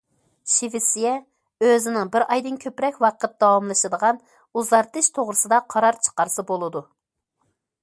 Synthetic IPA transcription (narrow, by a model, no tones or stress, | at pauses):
ʃivɪsijɛ | øzɪnɪŋbɪɾɑjd̪ɨnkʲʰøpɾɛkʲwɑqʰət̪̚d̪ɑwɑmlˠɨʃɨd̪əʁɑn | uzʁɑɾt̪ɨʃt̪ʰoʁɾɨsɨd̪ɑqʰɑɾɑɾt͡ʃʰə̥qɑɾsɨbolˠɨd̪u